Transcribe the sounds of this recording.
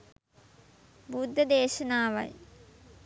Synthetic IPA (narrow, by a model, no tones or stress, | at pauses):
bud̪ʱːɐd̪eːʃɐnaːʋɐ̰j